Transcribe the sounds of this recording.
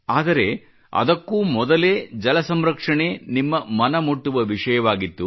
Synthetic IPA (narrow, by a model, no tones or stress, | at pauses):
aːd̪ɐɾe̞ | ɐ̰d̪ɐkːuːmɔd̪ɐle̞ːd͡ʒɐlɐsɐmɾɐkʂɐɳeːnimːɐmɐnɐmuʈːuʋɐʋiʂɐjɐʋaːɡit̪ːu